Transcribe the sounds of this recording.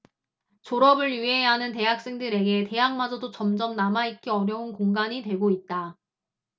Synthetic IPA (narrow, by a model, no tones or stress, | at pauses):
t͡ɕoɾʌbɯɭjuɦe̞ɦanɯnte̞jak̚s͈e̞ŋdɯɾe̞ɡe̞te̞jaŋmad͡ʑʌdot͡ɕʌmd͡ʑʌmnamait̚k͈eʌɾjʌunkoŋɡaɲitwe̞ɡoit̚t͈a